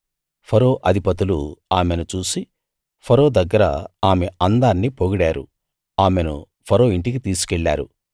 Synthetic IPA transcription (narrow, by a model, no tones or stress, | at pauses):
pʰɐɾo̞ːʔɐd̪ʱipɐt̪ulṵaːmenut͡ʃuːsi | pʰɐɾo̞ːd̪ɐɡːɐɾɐ̰aːmeɐnd̪aːnːipoɡuɽaːɾṵ | aːmenṵ | pʰɐɾo̞ːiɳʈikit̪iːsu̥kɛɭːaːɾu